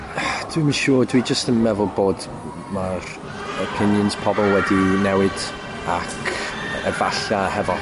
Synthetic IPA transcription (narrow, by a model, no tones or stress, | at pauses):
d̥wimiʃuːdwid͡ʒəstənmɛvʊlˠboːd | mar | əpʰɪnjənz̥pʰɔbɔlˠwɛdinɛwɪd̥ | akʰəvaɬahɛvɔ